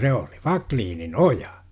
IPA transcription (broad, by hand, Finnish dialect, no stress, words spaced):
se oli ʋɑkliːnin ojɑ